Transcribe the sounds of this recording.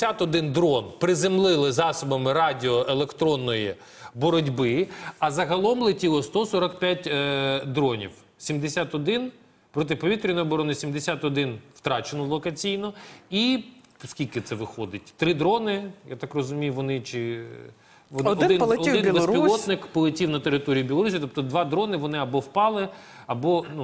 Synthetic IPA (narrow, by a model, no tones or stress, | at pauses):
at̪ɔd̪ɪnd̪ɾɔnpɾɪzɪmlˠɪlˠɪzɑsɔbɐmɪɾɑdʲɪɔʔelˠekt̪ɾɔnːɔji | bɔɾɔdʲbɪɐzɐɦɐlˠɔmlˠɪtʲilˠɔst̪ɔsɔɾɐkpʲjatʲd̪ɾɔnʲḭw | sʲimd̪esʲat̪ɔd̪ɪn | pɾɔt̪ɪpɔʋʲit̪ɾʲɪnɔɔbɔɾɔnɪsʲimd̪esʲat̪ɔd̪ɪnw̥t̪ɾɑt͡ʃenɔlˠɔkɐt͡sʲijnɔi | skʲilʲkɪt̪sɛʋɪxɔd̪ɪt̚ʲt̪ɾɪd̪ɾɔnɪjat̪ɑkrɔzʊmʲijʊʋɔnɪt͡ʃɪ | ʋɔdɔɪd̪ɪnlˠɐɔd̪ɪnlɪspiɔt̪nɪkpɔlˠɐtʲiwnɐt̪eɾɪt̪ɔɾʲijʊbʲilˠɔɾusʲijt̪ɔp̚t̪ɔd̪ʋɑd̪ɾɔnɪʋɔnɪɐbɔwpɑlˠɪɐbɔnu